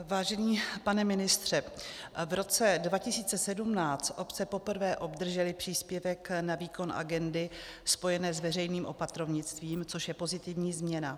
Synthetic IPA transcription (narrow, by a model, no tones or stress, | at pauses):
vaːʒɛɲiːpanɛmɪnɪst̪r̝̥ɛvɾo̞t͡sɛdvacɪsiːt͡sɛsɛdumnaːt͡st̪ʔo̞pt͡sɛpo̞pr̩vɛːʔo̞bd̪r̩ʒɛlɪpr̝̥iːspjɛvɛknaviːko̞nʔa̰ɡɛndɪspo̞jɛnɛːzvɛr̝ɛjniːmʔo̞pat̪ɾo̞vɲɪt͡st̪viːmt͡soʃjɛpo̞zɪt̪ɪvɲiːzmɲɛna